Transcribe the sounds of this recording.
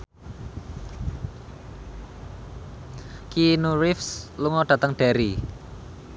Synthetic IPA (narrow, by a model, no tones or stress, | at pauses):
kinuɾɪfsluŋɔɖ̥a̤t̪əŋɖ̥aɾi